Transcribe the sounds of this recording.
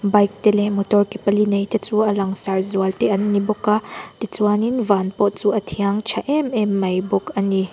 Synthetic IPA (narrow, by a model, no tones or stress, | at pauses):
bɐjk̚t̪ɛlɛmɔtɔrkipɐlinejt̪ʰɛt͡suɐlɐŋsarzuɐlt̪ɛʔɐnːibɔkːat̪it͡suaninvanpɔt̪̚t͡suʔɐt̪ʰiɐŋt͡ʃʰɐʔɛmɛmːɐjbɔkɐni